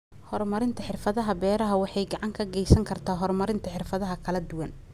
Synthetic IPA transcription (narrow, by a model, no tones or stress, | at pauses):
hɔrmɐɾɪnt̪ʰɐħɪrfɐðɐɦɐbɛːɾɐɦɐwɑħɑjɡɑʕɑŋkʰɐɡɛjsɐŋkʰɐrt̪ʰaːɦɔrmɐɾɪnt̪ʰɐħɪrfɐðɐɦɐkʰɐlɐd̪ʊwɐn